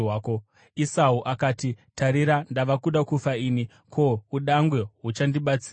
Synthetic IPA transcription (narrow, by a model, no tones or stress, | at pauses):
waːko | isauʔakaːtitʰaɾiɾandaʋakuɗakufaiːni | kʰo̞uɗaŋɡwe̞ɦut͡ʃandiɓat͡si